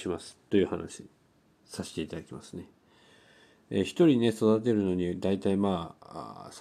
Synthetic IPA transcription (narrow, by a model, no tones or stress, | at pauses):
imasɨ̥t̪ːo̞jɯ̟ːhana̰ɕi | saɕe̥t̪e̞it̪ad̪akʲimasɨ̥ne̞ | eçi̥t̪o̞ɾʲine̞so̞d̪at̪̬e̞ɾɯ̟no̞ɲ̟id̪ait̪aima̰ː | s